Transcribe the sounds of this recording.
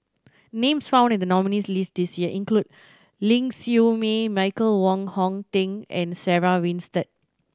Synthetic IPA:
nẽmsfãʊw̃ndɛ̃ndənɔminislist̚disjiəʔĩnklud̚ | lĩŋsjumemaɪkəlwɔ̃ŋhɔ̃ŋtĩŋɛ̃nsɛɹawĩnstət̚

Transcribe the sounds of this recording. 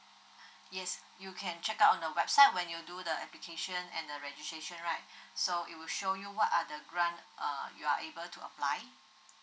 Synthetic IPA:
jɛs | jukʰɛ̃nt͡ʃɛkaʊtɔ̃ndəwɛb̥saɪt̚wɛ̃njududəɛ̰plikʰeʃə̃nɛ̰̃ndəɹɛd͡ʒistɹeʃə̃nɹaɪt̚soit̚wiʃojuwɔtadəɡɹãnʔʌ̰jua̰ʔebəltʰuə̰plaɪ

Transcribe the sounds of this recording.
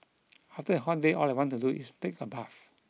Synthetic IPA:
aftəəɦɔt̚deʔɔlajwɔ̃ntuduʔḭstekəbaf

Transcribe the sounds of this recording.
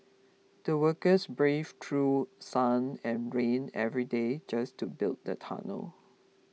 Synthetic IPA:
d̥əwəkəsbɹevtʰɹusãnɛ̃nɹẽnɛvɹided͡ʒastubɪlˠt̚də̰tʰa̰nə̰l

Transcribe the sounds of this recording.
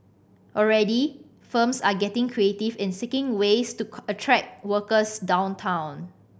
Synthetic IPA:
ʔɔɹɛdi | fəmsaɡɛtɪ̃ŋkʰɹietɪfɪ̃nsɪkɪ̃ŋwestuətʰɹɛk̚wəkəsdãʊ̃ntʰãw̃n

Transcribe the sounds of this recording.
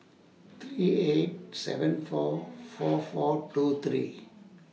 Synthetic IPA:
t̪ʰɾiet̚sɛ̰və̃nfɔfɔfɔʈut̪ʰɾḭ

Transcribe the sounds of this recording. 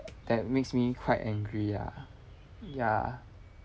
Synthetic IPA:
d̪̥ɛt̚meksmikʰwaɪtɛ̃ŋɡɹija̰ | ja̰

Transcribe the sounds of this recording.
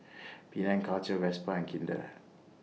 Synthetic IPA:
pinɛ̃nkalt͡ʃəwɛspaɛ̃nkʰĩndə̰

